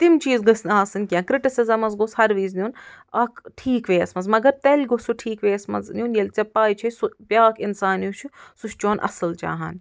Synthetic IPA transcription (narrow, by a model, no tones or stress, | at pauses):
t̪imt͡ʃiːzɡɐsnaːsɨnʲkʲiãːkɾiʈisizɐmɐzɡoshɐɾʋiːznʲiun | ɐkʈʰiːkʋeːɐsmɐzmɐɡɐɾt̪elʲɡosuʈʰiːkʋeːɐsmɐ̰zniunjelʲt͡sɐpːaːjt͡ʃʰɐsuʋʲjaːkʰinsaːnjut͡ʃʰusuʃt͡ʃoːnʔɐ̰sɨlt͡ʃa̰ːɦan